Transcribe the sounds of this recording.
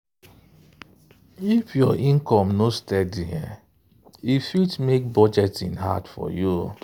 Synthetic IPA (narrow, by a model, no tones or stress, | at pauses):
ifjɔʔĩnkɔ̃mnostɛdiɛ̰ | ifitmek̚bɔd͡ʒɛtḭ̃nɦa̰tfɔ̰ju